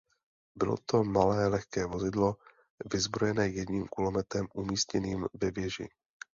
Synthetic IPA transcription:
bɪlo̰t̪o̞malɛːlɛxkɛːvo̞zɪdlo̞ | vɪzbɾo̞jɛnɛːjɛdɲiːmkʊlomɛt̪ɾɛmʔumiːstcɛniːmvɛvjɛʒɪ̰

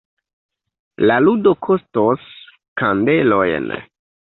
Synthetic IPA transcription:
laludokʰostos | kande̞lo̞jn

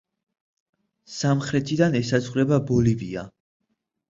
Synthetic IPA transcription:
samχɾɛt̪ʰid̪anɛsazʁɾɛbabɔlivia̰

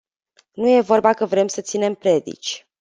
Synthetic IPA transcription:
nuje̞vo̞rbakəvɾe̞msət̪sine̞mpɾe̞d̪ḭt͡ʃʲ

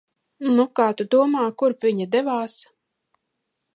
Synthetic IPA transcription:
nukaːt̪ud̪uɔmaːkuɾpvʲiɲad̪ɛvaːs

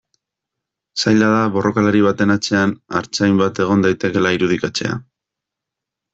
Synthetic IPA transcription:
sajʎaðaβo̞ro̞kaleɾiβ̞at̪e̞nat͡se̞ana̰ɾt͡sajmbat̪e̞ɣ̞o̞nd̪ajt̪e̞ke̞laiɾuð̞ikat͡se̞̰a̰

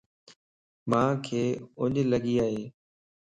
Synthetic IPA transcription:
mãːkʰeːʊɲləɠiːaːɦeː

